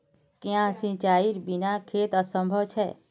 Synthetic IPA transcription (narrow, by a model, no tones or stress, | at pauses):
kjãsĩt͡ʃaiɾbinakʰet̪əsə̃mbʱəʋt͡ʃʰɛ